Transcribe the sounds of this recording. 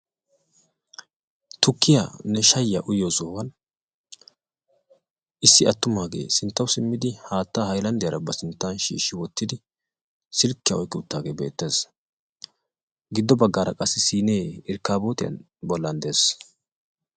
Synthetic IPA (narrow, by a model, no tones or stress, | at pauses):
t̪ʊkːɪja̰nɛʃɐjːɐʔʊjːosoːwɐn | ʔɪsːɪɐt̪ːʊmaːɡe̞̰ːsɪnt̪ːɐwʊsɪmːɪd̪ɪhaːt̪ːaːhɐjlɐnd̪ɪjɐɾɐbɐsɪnt̪ːanʃḭːʃːɪwɔt̪ːɪd̪ɪ | sɪlkːɪjɐɔjkʼːɪʊt̪ːaːɡe̞ːbeːt̪ːe̞ːs | ɡɪd̪ːɔbɐɡːaːɾɐ̰kʼɐsːɪsiːneːɪɾkːaːbo̞ːt̪ɪjɐ̰n | bɔlːɐnd̪eːs